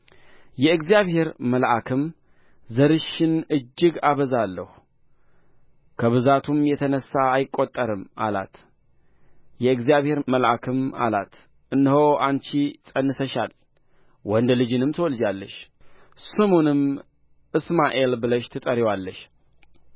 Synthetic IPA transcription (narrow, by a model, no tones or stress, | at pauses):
jɛɨɡzijaβhe̞ɾməlʔakʰɨm | zəɾɨʃːɪnɨd͡ʒːɪɡaβəzalːəhu | kʰəβɨzat̪ʰumjɛt̪ʰənəsːaːjɪkʼːot̪ʼːəɾɨmʔa̰la̰t̪ | jɛɨɡzijaβhe̞ɾməlʔakʰɨma̰lat̪ | ʔɨnːhowʔant͡ʃisʼənːɨsəʃal | wɔnd̪lɨd͡ʒɨnɨmt̪ʰəwɔld͡ʒalːəʃ | sɨmonɨm | ʔɨsmaʔelbɨləʃt̪ʰɨt̪ʼəɾiwalːəʃ